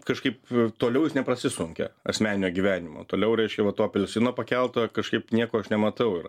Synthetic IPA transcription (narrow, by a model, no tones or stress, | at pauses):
kɐʃkɐɪpt̪oːlʲɛʊjɪsnʲɛpɾɐsʲɪsʊŋʲkʲɛ̰ɐ̰sʲmʲæːnʲɪnʲoːɡʲiʋʲæːnʲɪmo̰ːt̪oːlʲɛʊɾʲɛɪʃʲkʲɛʋɐt̪oːpʲɛlʲsʲɪnoːpɐkʲɛlˠt̪okɐʃkɐɪpnʲiɛkoːɐʃnʲɛmɐt̪ɐʊɪr